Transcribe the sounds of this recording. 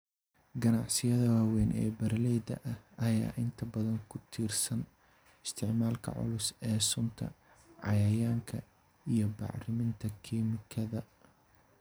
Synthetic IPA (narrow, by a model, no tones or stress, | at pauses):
ɡɐnɑʕsɪjɐðɐwaːwɛːnʔɛ̰ːbɐɾlɛjd̪ɐ̰ʔɐhɐja̰ːʔɪnt̪ʰɐbɐðɐŋkʰʊt̪ʰiːrsɐn | ɪst̪ʰɪʕmaːlkʰɐ̰ʕʊ̰lʊsɛːsʊnt̪ʰɐ̰ | ʕɑ̰jɐjaːŋkʰɐ | ijɞbɑ̰ʕrɪmɪnt̪ʰɐkʰiːmɪkʰɐðɐ